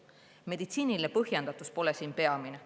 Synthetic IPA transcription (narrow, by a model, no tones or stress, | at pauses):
me̞d̪̥it̪siːnilepɤɦjend̪̥ɑt̪ˑuspo̞lesiːnpe̞ɑmine